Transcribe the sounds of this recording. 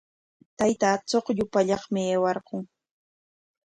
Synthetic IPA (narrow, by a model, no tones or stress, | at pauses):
t̪ajt̪at͡soχʎʊpaʎɑχmɪeːwɑɾqʊŋ